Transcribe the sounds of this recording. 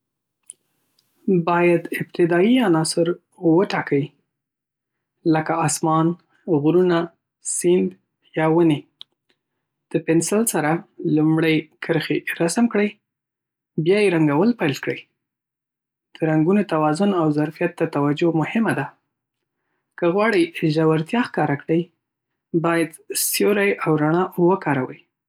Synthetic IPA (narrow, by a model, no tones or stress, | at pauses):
bɑjad̪ɪb̚t̪ɪd̪ɑianɑsɪɾ | wəʈɑkawi | ləkaɑsmɑn | ɣɾuna | sɪnd̪ | jɑwəne | d̪̥əpɪnsɪlsaɾalumɽəjkʰəɾxeɾasmkɽəj | bjɑjeɾaŋɡawəlpajlkɽəj | d̪̥əɾaŋɡunot̪awɑzʊnawzaɾfijat̪̚ːət̪awad͡ʒomʊhɪmad̪a | kəɣwɑɽəjʒawaɾt̪jɑxkɑɾakɽəj | bɑjad̪sjoɾajawɾaɳ̃ɑwəkɑɾawəj